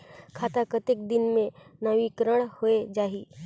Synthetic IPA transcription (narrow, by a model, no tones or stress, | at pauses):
kʰaːt̪akət̪ɪk̚d̪ɪnmẽnɐʋikɾəɽ̃hoed͡ʒaːɦiː